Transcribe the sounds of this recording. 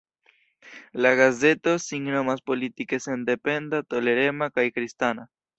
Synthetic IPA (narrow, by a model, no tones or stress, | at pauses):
laɡaze̞t̪o̞siŋnomaspo̞lit̪ike̞se̞nd̪epe̞nd̪at̪o̞le̞ɾe̞makajkɾist̪ana